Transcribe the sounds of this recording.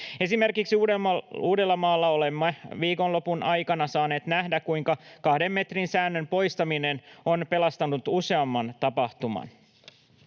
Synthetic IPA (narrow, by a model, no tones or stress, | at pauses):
e̞sime̞rkiksiuːeuːde̞lːɑmɑːlːɑo̞lemːɑʋiːko̞nlo̞punʔɑjkɑnɑsɑːne̞ːt̪næhdækkujŋkɑkɑhde̞mːe̞t̪rinsæːnːø̞mpo̞jst̪ɑmine̞no̞npe̞lɑst̪ɑnut̪use̞ɑmːɑnt̪ɑpɑht̪umɑ̰n